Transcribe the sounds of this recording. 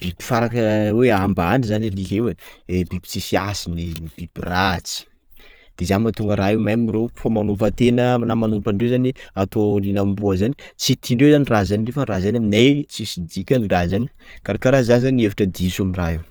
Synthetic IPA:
b̥ibi̥faɾakəweambanizanilikewebibi̥t͡sisiasininib̥ibirat͡si̥ | d̪̥ezanmat̪uŋɡəɾaɦemamirewfamanupət̪enənamanupəɳɖ͡ʐewzaniat̪olinambuəzanit͡sit̪iɳɖ͡ʐewzanirazanirefərazanaminajt͡sisid̪ikʲanirazani̥kaɾakaɾazanzaniefḁʈ͡ʂəd̪isamiraɦew

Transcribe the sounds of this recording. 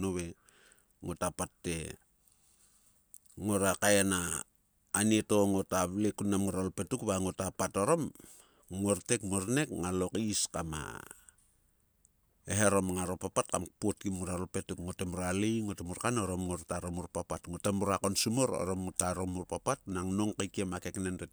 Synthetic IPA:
noβe̞ | ŋotapatːe̞ | ŋo̞ɾakajanaː | nieto̞ŋotaβlekunːamŋoɾalope̞tukβaŋotapatoɾo̞m | ŋo̞ɾtekmoɾne̞kŋalokiskama̰ | eɦeɾo̞mŋaɾopapat̚kampot̚kimŋoɾaɾope̞tukŋotemuɾalijŋotemuɾkanoɾomŋoɾtaɾomuɾpapatŋotamuɾakonsumoɾo̰ɾomotaɾomuɾpapatnaŋnoŋkekiemakeknento

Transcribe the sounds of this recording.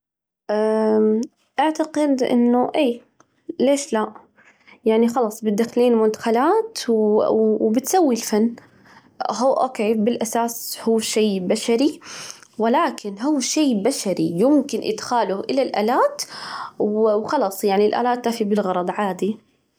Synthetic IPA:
ʔa | ʔaʕt̪aqɪd̪ʔɪ̰nːʊʔeː | leːʃla | jaʕnixɑlɑːsˤbɪt̪ːaxliːnmʊnt̪ḁxalaːt̪wwbɪt̪sawːilfanː | ɦuːʔo̰ːkeːbɪlʔasaːshuːʃeːbaʃaɾiwɪlaːkɪnɦuːʃeːbaʃaɾijɪmkɪnʔɪ̰d̪xaːlʊʔɪlalʔa̰ːlaːt̪wwxɑlɑːsˤjaʕnilʔa̰ːlaːt̪ːmafibɪlɣɑɾˤɑd̪ˤʕaːd̪i

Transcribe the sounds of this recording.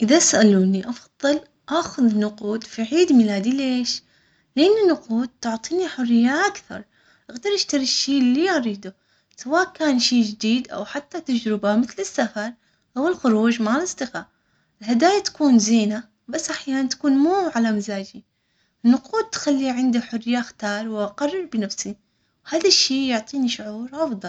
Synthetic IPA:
ʔɪðasʔaluːniʔɑfɑðˤːɨl | ʔaːxʊðɪnːʊquːd̪fiʕiːd̪milaːd̪ileːʃ | lʔɪnːɪnːʊquːd̪̚t̪ʊʕt̪ˤiːniħʊrɪjːaʔakθɑ̰ɾˤ | ʔaɣd̪ɑɾˤʔɪʃt̪ɑɾiʃːiːlːiʔɑɾiːd̪u | sawaːʔkaːnʃiːd͡ʒɪd̪iːd̪ʔa̰wħat̪ːat̪ad͡ʒɾɪbamɪθlɪsːafɑɾˤ | ʔawɪlxʊɾuːd͡ʒmalɪsˤt̪ɪɣa | ɪlɦad̪aːjat̪ḁkuːnziːna | basːʔaħjaːnant̪ḁkuːnmuːʕalamazaːd͡ʒi | ɪnːʊquːd̪̚t̪xalːiʕɪnd̪iħʊrɪjaxt̪ɑːɾˤwʔaqɑrˤːɪɾbɪnafsi | whaːðaʃːiːjʊʕt̪ˤiːniʃʊʕuːɾʔɑfd̪ˤɑl

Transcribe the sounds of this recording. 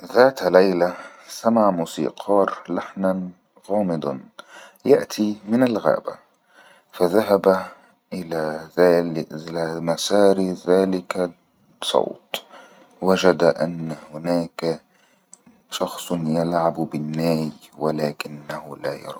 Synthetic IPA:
ðaːt̪lajlasamaʕmuːsḭːqʰɑːɾˤlaħnan | ɣɑːmɪd̪ˤɑnjaʔt̪ʰimɪnalɣa̰ːba̰ | faðaɦaba | ʔɪlaðalamasɑːɾðaːlɪka | sˤɑ̰wt̪ | wad͡ʒad̪ʔanːhʊnaːka | ʃɑxsˤjalʕabbɪnːaːjwalaːkɪnːahʊlaːjɑ̰ɾˤɑ̰

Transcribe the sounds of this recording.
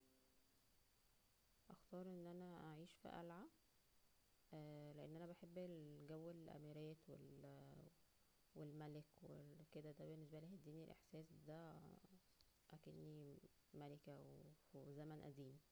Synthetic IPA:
ʔæxt̪ɑːɾˤʔenːʔænæʔaʕiːʃfḭʔæ̰lʕa | leʔenːʔænæbæħebːelɡæwːelʔæ̰miɾæːt̪wel | welmælekwweked̪æd̪æbenːes̬bælehed̪ːiːnielʔḛħsæːsd̪æ | ʔaked̪ni | mælekæwezæmænʔæ̰d̪iːni

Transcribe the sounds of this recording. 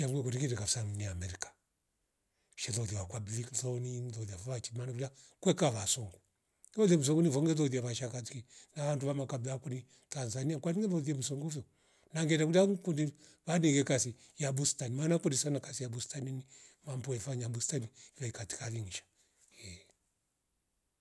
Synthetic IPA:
ʃamuɡɛkudikiɾɛkasaŋniamɛɾikḁ | ʃɛðɔðiwakwablikzɔninðɔðiafɔβat͡ʃimanakud͡ʒa | kwɛkaβasɔŋɡu | ɔðiɛm̩us̬ɔŋɡunivɔŋɡɛðɔðiaβaʃakatikinaʋanduβamakablakuni | tanzaniakwaniŋɡɛðɔðiɛm̩sɔŋɡuvjɔ | naŋɡɛnakud͡ʒakundiβaniɡɛkasi | jabustanimanakundisanakasijabustaninimampɔɛfaɲabustaniβaikati̥kaliŋiʃḁ | hɛ

